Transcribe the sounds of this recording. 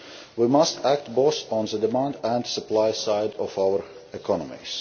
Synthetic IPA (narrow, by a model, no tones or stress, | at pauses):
wimʌstæk̚t̚bosɔ̃n̩ðədɨmãndæ̃ndsəplaɪsaɪdɔvaʊə˞ | ɪkʰɔnəmḭz̥